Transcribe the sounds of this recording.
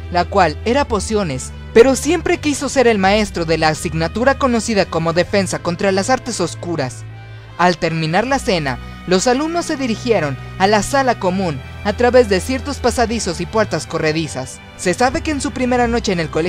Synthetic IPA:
lakwale̞ɾapo̞sjo̞ne̞s | pe̞ɾo̞sje̞mpɾe̞kiso̞se̞ɾe̞lmae̞st̪ɾo̞ðe̞laːsiɡnat̪uɾako̞no̞siðako̞mo̞ðe̞fe̞nsako̞nt̪ɾalasaɾt̪e̞so̞skuɾas | alt̪e̞ɾmĩnaɾlase̞na̰ | lo̞salumno̞sːe̞ðiɾixje̞ɾo̞nalasalako̞mũn | at̪ɾaβe̞zðe̞sje̞ɾt̪o̞spasaðiso̞sipwe̞ɾt̪asko̞re̞ðisasː | e̞saβe̞keːnsupɾime̞ɾano̞t͡ʃe̞ːne̞lko̞le

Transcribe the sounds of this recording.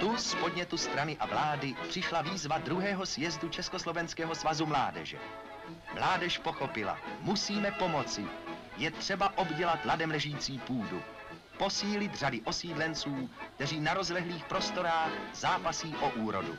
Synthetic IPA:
t̪uspo̞dɲɛt̪ust̪ɾanɪʔavlaːdɪpr̝̥ɪʃlaviːzvad̪ɾuɦɛːɦo̞sjɛzdut͡ʃɛskoslo̞vɛnskɛːɦo̞svazumlaːdɛ̰ʒɛ̰ | mlaːdɛʃpo̞xo̞pɪla̰musiːmɛpo̞mo̞t͡sɪ | jɛt̪r̝̥ɛbaʔo̞bɟɛlat̪ladɛmlɛʒujiːt͡siːpuːdu | po̞siːlɪt̪r̝adɪʔo̞siːdlɛnt͡suːkt̪ɛr̝iːnaɾo̞zlɛɦliːxpɾo̞st̪o̞ɾaːxzaːpasiːʔo̞ʔuːɾo̞̰dṵ

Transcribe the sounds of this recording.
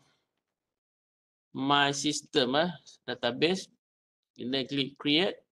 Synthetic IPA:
mãjsistəmahdat̪abɛs | ilɛ̃ɡlikɾiet̚

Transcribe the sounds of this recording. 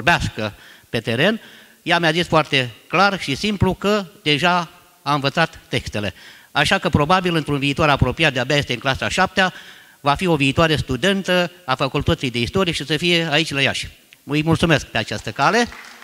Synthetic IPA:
orbeaskəpe̞t̪e̞ɾe̞n | jamjazisfoart̪e̞klarʃisimplukəd̪e̞ʒa | aɨnvət̪sat̪ːe̞kst̪e̞le̞aʃakəpɾo̞babilɨnt̪ɾunviːt̪ooɾapɾo̞pijat̪̚d̪eabeaje̞st̪eɨŋklasa̰ʃap̚t̪ea | vafio̞viːt̪oaɾe̞st̪ud̪e̞nt̪əafəkult̪ət̪sijd̪e̞ist̪o̞ɾijeʃisəfije̞ait͡ʃʲlajaʃʲ | ujmult̪sume̞sk̚pe̞at͡ʃast̪əkale̞

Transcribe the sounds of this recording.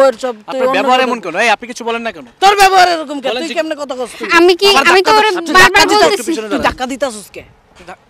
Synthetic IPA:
eɾsɔb̚taunaoɛboɦaɾɛmonkɛnoejapnikit͡ɕʰubɔlenːakɛnot̪oɾbɛboɦaɾeɾok̬omkɛlujkɛmnekɔt̪ʰakɔst̪uamikiaamit̪oɾebaɾbaɾbolt̪eiujd̪ʱakːad̪it̪easoske

